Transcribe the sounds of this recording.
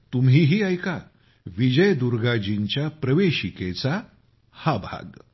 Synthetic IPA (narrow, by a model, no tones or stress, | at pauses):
t̪umɦiːɦiːajka | ʋid͡ʑəjd̪uɾɡad͡ʑiɲt͡ɕjapɾəʋeɕiket͡sa | habʱa̰ɡ